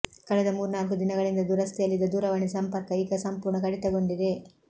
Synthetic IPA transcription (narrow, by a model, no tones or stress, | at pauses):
kɐɭɛd̪ɐmuːɾunaːlkud̪inɐɡɐɭind̪ɐd̪uːɾɐst̪ʰɛjɐlːid̪ɐd̪uːɾɐʋɐɳisɐmpɐɾkɐiːɡɐsɐmpuːɾɳɐkɐɽit̪ɐɡo̞ɳɖid̪e̞